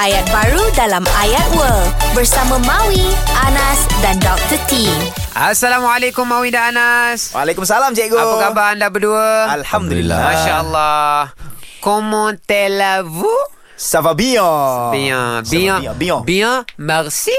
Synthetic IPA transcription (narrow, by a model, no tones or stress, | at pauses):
ʔajat̪̚baɾudalamajat̪̚wəlbərsamãmãwiʔanasdandɔk̚t̪ət̪imʔasːalamalekʊmːawidaanaswalekums̬alamd͡ʒaɡoakabandabəduəalhamd̪ṵlḭlːa̰mãʃaəlːahkomɔ̃t̪elavu | safabiabiãbiãbibiãmərsi